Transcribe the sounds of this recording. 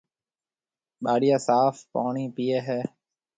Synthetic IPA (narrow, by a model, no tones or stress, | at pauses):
ɓaːɽɪjaːsaːfpa̰ːɳiːpiːeːɦɛː